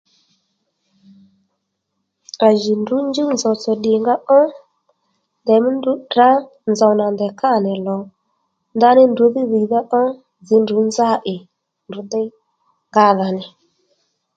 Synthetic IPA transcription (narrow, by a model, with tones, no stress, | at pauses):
a˨ʒi˨ndu˨˦n˦d͡ʒi˦wn˨zɔ˨t͡sɔ˨ɗɪ˨ŋɡa˦ʔɔ˦ | ndɛ˨mi˦n˦du˨˦da˦ | nza˨wna˨ndɛ˨ka˦˨nɛ˨lɔ˨ | nda˦nɪ˦ndu˨˦ði˦ði˨ða˦ʔɔ˦ | zi˨˦ndu˨˦n˦za˦ʔɪ˨ | nu˨˦də˦ | ŋɡa˦ða˨nɪ˨